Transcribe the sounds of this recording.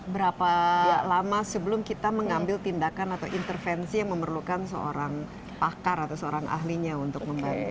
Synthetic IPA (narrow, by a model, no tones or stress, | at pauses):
bəɾapalamasəbəlʊmkit̪aməŋambɪlt̪indakanat̪awʔint̪ərfɛnsijaŋməmərlukansəo̰ɾaŋ | pakaɾat̪awsəoɾaŋa̰ɦliɲaunt̪ʊk̚məmban